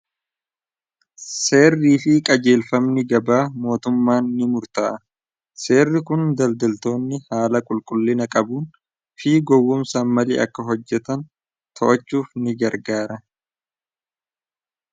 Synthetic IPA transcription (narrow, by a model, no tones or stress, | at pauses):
se̞ːrːiːfɪkʼɐd͡ʒe̞ːlfɐmnɪɡɐbaːmo̞ːt̪ʊmːaːnːɪmʊɾt̪ɐːʔɐ | se̞ːrːɪkʊnd̪ɐld̪ɐlt̪o̞ːnːɪhaːlɐkʼʊlkʼʊlːɪnɐkʼɐbuːn | fiːɡɔwːʊmsaːnmɐlḭːʔɐ̰kːɐɦɔd͡ʒːɛt̪ɐn | t̪ʰɔʔɐt͡ʃːuːfnɪɡɐɾɡaːɾɐ